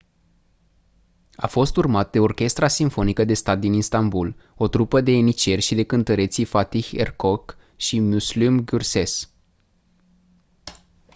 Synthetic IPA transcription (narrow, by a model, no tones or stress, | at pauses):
a̰fo̞st̪urmat̪̚d̪e̞o̞rkʲe̞st̪ɾasiɱfo̞nikəd̪e̞st̪at̪̚d̪ininst̪ambulo̞t̪ɾupəd̪e̞ːnit͡ʃe̞rʲʃid̪e̞kɨnt̪əɾe̞t̪sifat̪ihḛrko̞k | ʃimuslumɡʲurse̞s